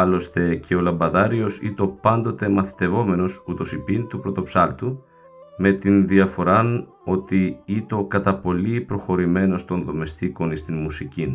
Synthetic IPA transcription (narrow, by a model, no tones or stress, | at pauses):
ɐlo̞st̪e̞cʰe̞o̞lɐmbɐðɐɾio̞sḭt̪o̞pɐnd̪o̞t̪e̞mɐθi̥t̪e̞vo̞me̞no̞sut̪o̞sipint̪upɾo̞t̪o̞psɐlt̪u | me̞t̪inðiɐfo̞ɾɐn | o̞t̪iit̪o̞kɐt̪ɐpo̞lipɾo̞xo̞ɾime̞no̞st̪o̞nðo̞me̞st̪iko̞nist̪inmusicin